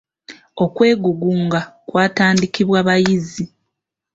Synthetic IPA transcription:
o̞kwe̞ːɡuɡuːŋɡakwaːtaːndikiβwaβajizi

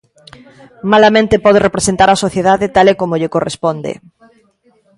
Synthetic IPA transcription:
malamẽnt̪epɔð̞erepɾesent̪aɾasoθjeðaðet̪alekomoʎekorespɔnd̪ḛ

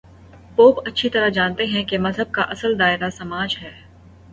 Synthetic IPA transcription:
poːpɐtːʃʰit̪ɐɾad͡ʒaːnt̪eɦɛ̃kemɐzɦəb̚kaʔɐsəld̪aːɪɾasɐmaːd͡ʒɦɛː

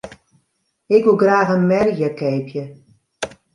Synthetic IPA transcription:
ɪkʋulˠɡraːxənmɛrjjəkeːpʰjə

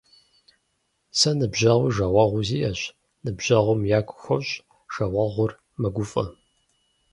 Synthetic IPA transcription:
sɐnɨbʑɐʁʷʊʒɐwʷɐʁʷʊziːjɐɕ | nɨbʒʑɐʁʷʊmjaːkʷʰʼʊ̥xʷɐwɕʼ | ʒ̥ɐʁɐʁʷʊr | mɐɡʷʊfʼɐ

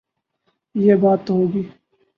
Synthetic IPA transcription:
jeːbaːt̪ɦoːɡiː

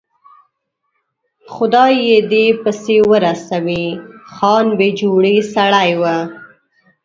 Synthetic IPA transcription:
xʊd̪ɑjed̪epəsewəɾasawixɑnbed͡ʒoɽisaɽajwa

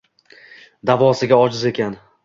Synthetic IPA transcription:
d̪avɒsɪɡʲaɒd͡ʒɪze̞kʲan

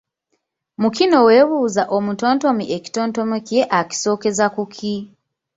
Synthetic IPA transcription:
mukino̞we̞βuːzaʔo̞muto̞ːnto̞miʔeki̥to̞ːnto̞mikje̞ʔaki̥so̞ːke̞zakukʰi

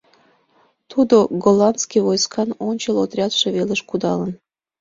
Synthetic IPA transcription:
t̪ud̪oɡolɑnskʲiβojskɑnonʲt͡ɕəlot̪rʲɑt̪ʃeβeləʃkud̪ɑlən

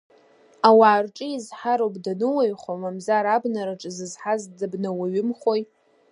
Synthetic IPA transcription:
awaːrʈ͡ʂʼɨizħaɾowpʼdanɨwajχomamzaɾabnaɾaʈ͡ʂʼɨzɨzħazdabnawaɥɪmχoj

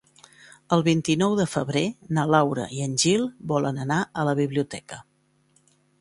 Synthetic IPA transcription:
əlˠβint̪inɔwðəfəβɾenəlawɾə̰ʔiənʲʒilˠbɔlənənaələβiβliut̪ɛkə

